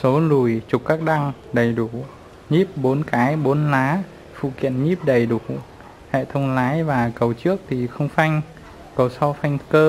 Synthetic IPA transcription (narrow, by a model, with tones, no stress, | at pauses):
so˨˦lu˨˩jt͡ɕu˨˩k͡p̚kaː˦˥k̚ɗa˧ŋɗə˨˩jɗu˧˩ | ɲi˦˥p̚ɓo˨˦nkaː˨˦jɓo˨˦nlaː˨˦ | fṵ˧˨kḭ˧˨ənɲi˦˥p̚ɗə˨˩jɗu˧˩ | hɛ̰˧˨t̪ʰə˧wŋ͡mlaː˨˦jvaː˨˩kə˨˩wt͡ɕɨ˦˥ək̚t̪ʰi˨˩xə˧wŋ͡mfa˧jŋ̟ | kɔ˨˦wsɔ˧fa˧jŋ̟kəː˧